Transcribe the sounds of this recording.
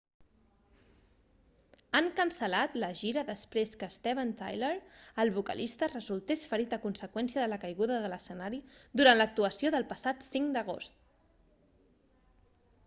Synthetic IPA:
əŋkəmsəlat̪ləʒiɾəðəspɾeskəst̪eβənt̪a̰jləɾəlˠβukə̰lʔist̪ərəzulˠt̪esfəɾit̪əkunsəkwɛnsiəðələkəjɣuðəðələsənaɾid̪uɾantlək̚t̪uəsioðəlˠpəsat̪siŋd̪əɣ̞o̰st̪

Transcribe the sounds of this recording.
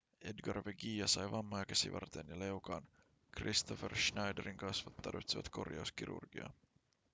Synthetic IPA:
edɡɑrʋeɡijɑsɑjʋɑmːojɑkæsiʋɑ̰rt̪enjɑle̞ukɑːn | krist̪oferʃnɑjdeɾiŋkɑsʋɑt̪ːɑrʋit̪siʋɑ̰t̪ko̞rjɑusk̟iɾṵrɡ̥iɑ̰

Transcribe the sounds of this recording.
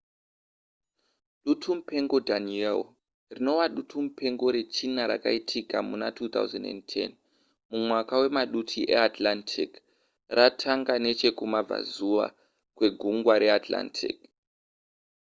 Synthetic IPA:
ɗutʰum̩pe̞ŋɡo̞dʱaniel | rino̞waɗutʰumupʰe̞ŋɡo̞ɾe̞t͡ʃinaɾa̰kaitʰikamunatuːt̪a̰uzḛndḛntʰḛn | mumwakawe̞maɗutʰiʔḛatlantʰik | ratʰaŋɡane̞t͡ʃe̞kumab͡va̰zuʋa̰ | kwe̞ɡʱuŋɡwaɾe̞atla̰ntʰḭk

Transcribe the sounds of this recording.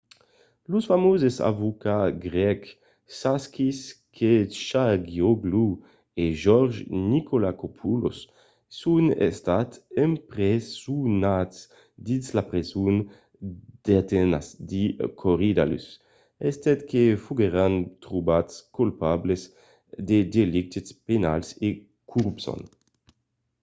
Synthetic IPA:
lusfamozesa̰vukaɡʁɛk | saskis | kʰeʃaɡioɡlu | eʒɔɾʒnikʰolakopʰulo̰sː | unḛst̪at̪empɾesunat̪s | d̪inslapɾezun | d̪̥eat̪enasd̪ikʰoɾid̪a̰ly̰s | ɛst̪ɛt̪kʰefuɡeɾant̪ɾubatskulpablez | d̪ed̪elik̚t̪ispenalse | kʰuɾupsɔ̰n

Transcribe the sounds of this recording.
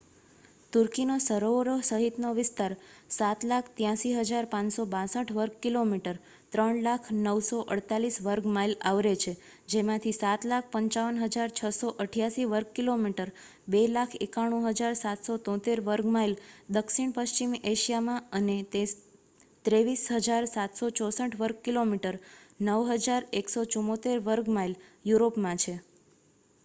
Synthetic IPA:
t̪uɾkinosəɾoʋɾosəɦit̪noʋɪst̪aɾsat̪lakʰt̪jãʃiɦəd͡ʒaɾpãɲsobãsəʈʰʋəɾɡ̚kilomiʈəɾ | t̪ɾəɳlakʰnəwsoʔəɽt̪alisʋəɾɡmailaʋɾet͡ʃʰe | d͡ʒemãt̪ʰisat̪lak̚ʰpəɲt͡ʃaʋənɦəd͡ʒaɾt͡ʃʰəsoʔəʈʰjaʃiʋəɾɡ̚kilomiʈəɾ | belakʰekaɽ̃ũɦəd͡ʒaɾsat̪sot̪ɔ̃t̪eɾʋəɾɡmaild̪əkʃiɳ̃pəʃt͡ʃimeʃijamãənet̪e | t̪ɾeʋisɦəd͡ʒaɾsat̪sot͡ʃɔsəʈʰʋəɾɡ̚kilomiʈəɾnəʋɦəd͡ʒaɾeksot͡ʃumot̪eɾʋəɾɡmailjuɾopmãt͡ʃʰe

